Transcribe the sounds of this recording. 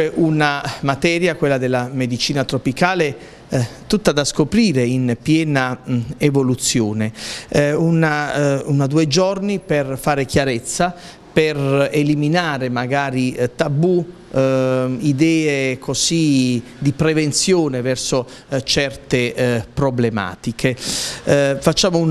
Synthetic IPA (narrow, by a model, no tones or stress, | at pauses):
ɛʔunamat̪ɛːɾjakwelːad̪elːamed̪it͡ʃiːnat̪ɾopikaːle | t̪ut̪ːad̪askopɾiːɾeinpjɛːnaevolut̪sːjoːne | unaunad̪uːed͡ʒɔrniperfaːɾekjaɾɛt̪sːa | pereliminaːɾemaɡaːɾit̪abu | id̪ɛːekʰosi | d̪ipɾevent̪sjoːnevɛrso | t͡ʃɛrt̪epɾoblema̰ːt̪ikʰe | fat͡ʃːaːmo